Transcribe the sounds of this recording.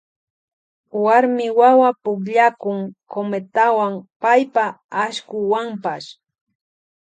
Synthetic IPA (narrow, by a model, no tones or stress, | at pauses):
waɾmɪwawapʊkʎakʊŋkomet̪awaŋpajpa | aʃkʊwampaʃ